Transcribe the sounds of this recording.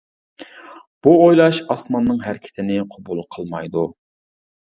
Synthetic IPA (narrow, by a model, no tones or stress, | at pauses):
b̥uojlˠɑʃɑsmɑnːɨŋɦæɾɪkʲʰɪ̥t̪ʰɪnɪqʰobulˠqʰəlˠmɑjd̪u